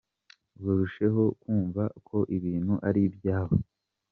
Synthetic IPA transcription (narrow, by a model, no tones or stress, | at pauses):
ɡuɾuʃe̞ɦo̞kuːɱvakʰo̞ʔiβiːnhuʔaɾibjaːɦo